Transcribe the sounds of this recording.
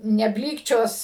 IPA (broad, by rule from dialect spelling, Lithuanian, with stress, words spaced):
nʲɛˈbʲlʲiːkt͡ʃʲoːs